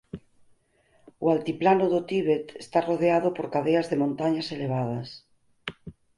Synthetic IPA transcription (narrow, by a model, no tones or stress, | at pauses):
ualt̪iplanʊðot̪iβet̪est̪aroðeaðopoɾkaðeazðemõnt̪aɲaseleβ̞að̞ɐs